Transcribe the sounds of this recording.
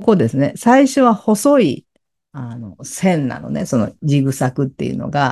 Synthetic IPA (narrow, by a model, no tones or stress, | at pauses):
ko̞d̪e̞sɨne̞saiɕo̞βaho̞so̞i | ano̞sẽ̞nːa̰no̞̰ne̞so̞no̞̰d͡ʑiɡɯ̟sakɯ̟t̪ːe̞̰jɯ̟̰no̞̰ɡa